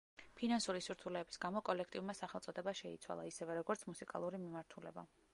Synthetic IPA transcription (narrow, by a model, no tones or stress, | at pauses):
pʰinansuɾisuɾt̪ʰulɛːbi̥sɡamɔkʼɔlɛkʰt̪ʼiuɾmasaχɛlˠt̪sʼɔd̪ɛbaʃɛit̪sʰwa̰lˠaisɛvɛɾɔɡɔɾt̪sʰmusikʼa̰lˠuɾimimaɾt̪ʰulɛ̰ba